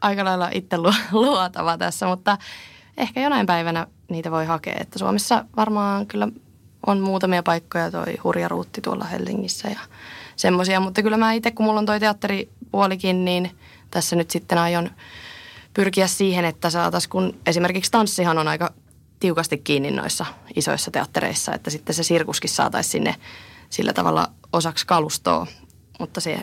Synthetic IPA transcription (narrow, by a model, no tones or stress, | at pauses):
ɑikɑlɑilːɑʔit̪ːeluluot̪ɑ̰ʋɑt̪æ̰sːæmut̪ːɑ | ehkæjonɑimpæiʋænæ | niːt̪æʋoihɑkḛːḛt̪ːæsuo̰mesːɑʋɑrmɑːŋkylːæ | onmuːt̪ɑmiɑpɑikːojɑt̪o̰ihurjɑrṵːt̪ːit̪uo̰lːɑ̰hḛlsiŋːisːæ̰jɑsemːosiɑmut̪ːɑkylːæmæːit̪ːekkummulːont̪oit̪eɑt̪ːeripuolikinniːn | t̪æsːænyt̪sit̪ːenɑjon | pyrkiæssiːhenet̪ːæsɑːt̪ɑskunesimerkikst̪ɑnsːihɑnonɑikɑ | t̪iukɑst̪ikkːiːnːinno̰isːɑiso̰isːɑt̪eɑt̪ːeɾḛisːɑ̰ḛt̪ːæsit̪ːesesirkuskissɑ̰ːt̪ɑ̰issinːḛsḭlːæ̰t̪ɑ̰ʋɑ̰lːɑ̰ | osɑkskɑlust̪o̰ː | mut̪ːɑsḛ